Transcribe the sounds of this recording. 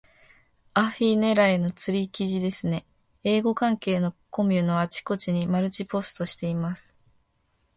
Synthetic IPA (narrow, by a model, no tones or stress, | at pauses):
aɸine̞ɾaeno̞t͡sɨɾʲikʲiʑid̪e̞sɨne̞ | e̞ːɡo̞kãŋke̞ːno̞ko̞mʲɯno̞at͡ɕi̥ko̞t͡ɕiɲ̟imaɾɯ̟t͡ɕipo̞sɨ̥t̪o̞ɕi̥t̪e̞imasɨ̥